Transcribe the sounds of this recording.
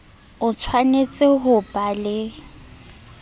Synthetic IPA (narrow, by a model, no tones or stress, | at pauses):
ʊt͡sʰwanet͡sʼɪɦʊpʼalɪ